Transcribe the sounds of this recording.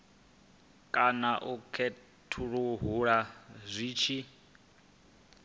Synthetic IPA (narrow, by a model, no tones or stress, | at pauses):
kʼanaʔukʰɛ | tʰuɺuɦuɺazʷiːt͡ʃʰi